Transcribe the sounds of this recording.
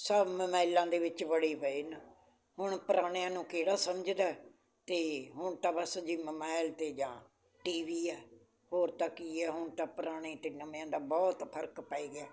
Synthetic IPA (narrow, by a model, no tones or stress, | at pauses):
səbməmaːɪlãːd̪eːʋɪt͡ʃʋəɽiːpəiːn | hʊɳ̃pəɾaːɽ̃ejãːnũːkeːɽaːsəmd͡ʒd̪aːɛ | t̪eːɦʊɳt̪ãːbəsd͡ʒiːməmaːɪlt̪eːd͡ʒãː | ʈiːʋiːɛː | hoːɾt̪aːkiːɛːɦʊɳt̪ãːpəɾaːɽ̃eːt̪eːnəm̃ːãːd̪aːbɔːt̪pʰəɾkpəːiːɡɪaː